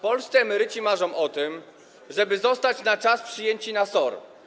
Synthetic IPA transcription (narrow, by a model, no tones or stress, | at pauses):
pɔlst̪sɛɛmɛɾɘt͡ɕimaʐɔ̃w̃ʔɔt̪ɘm | ʐɛbɘzɔst̪at͡ɕnat͡ʂaspʂɘjeɲt͡ɕinasɔɾ